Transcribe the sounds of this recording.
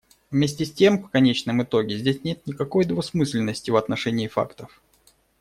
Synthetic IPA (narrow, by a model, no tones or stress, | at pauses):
vmʲes̬ʲtʲɪsʲtʲe̞mfkɐnʲet͡ɕnəmɨt̪o̞ɡʲɪzʲdʲesʲnʲe̞t̪̚nʲɪkɐko̞jd̪vɐsmɨsʲlʲɪnːəsʲtʲɪvɐt̪nɐʂɛnʲɪːfa̰kt̪əf